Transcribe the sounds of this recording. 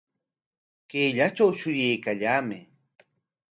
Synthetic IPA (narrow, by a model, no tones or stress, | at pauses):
keʎat͡ʃawʃʊjajkaʎaːmɪ